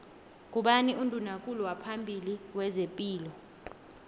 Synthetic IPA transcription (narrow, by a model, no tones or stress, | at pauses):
k̬ʼuɓaniundʼʱunakʼuluwapʰambʱiliwɛzepʼiːlɔ